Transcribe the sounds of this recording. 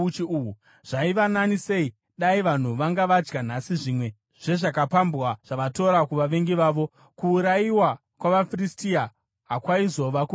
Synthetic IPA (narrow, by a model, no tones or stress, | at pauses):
t͡ʃiuu | ʐ̥aiʋananise̞i | ɗaiʋan̤uʋaŋɡaʋad͡ʒɡan̤asiʐiːmwe̞ | ʐ̥e̞ʐakapambwaʐ̥aʋato̞ɾakuʋaʋe̞ŋɡiʋaːʋo̞ | kuːɾajiwa | kwaʋafiristia | ɦakwaizo̞ʋaku